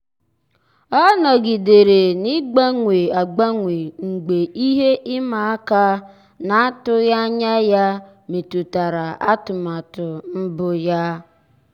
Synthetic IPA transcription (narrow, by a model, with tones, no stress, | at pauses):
ɔ˦nɔ˨ɡi˨de˨ɾe˨ni˦ɡ͡ba˦ŋʷe˨a˨ɡ͡ba˦ŋʷe˨ŋ͡mŋ̩˨ɡ͡be˨ʔi˦ɦe˦ʔɪ˦ma˨a˦ka˦ | na˨˦a˦tʊ˦ja˦ɲa˦ja˦ | me˨tu˨ta˨ɾa˨ʔa˦tʊ˨ma˨tʊ˨m̩˦bʊ˦ja˦